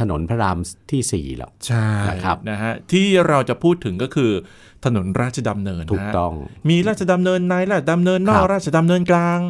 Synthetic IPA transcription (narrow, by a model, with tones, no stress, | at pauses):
t̪ʰa˧no̰˩˦npʰa˧˥ɾaː˧mt̪ʰiː˥˩sḭː˨˩lɔ̰˨˩kt͡ɕʰa˥˩˦kʰa˦na˦˥kʰa˦˥t̪ʰiː˥˩ɾa˧wt͡ɕa˨˩pʰuː˥˩t̪ʰːɯ˩˦ŋkɔː˥˩kʰɯː˧ | t̪ʰa˧no˩˦nɾaː˥˩t̪̚t͡ɕa˧da˧mnɤː˧nːʰuː˨˦˩t̪ɔ˥˩ŋmiː˧ɾaː˥˩t̪̚t͡ɕa˧da˧mnɤː˧nːaː˧˥jɾaː˥˩t̚ʰada˧mnɤː˧nːɔː˥˩k̚ɾaː˥˩t̪̚t͡ɕʰa˧da˧mnɤː˧nklaː˧ŋ